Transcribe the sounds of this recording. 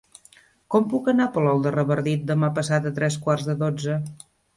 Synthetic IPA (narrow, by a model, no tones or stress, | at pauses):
kɔmpukənapəlɔlˠd̪ərəβəɾðit̪̚d̪əmapəsat̪ət̪ɾɛskwarzðəðod͡zə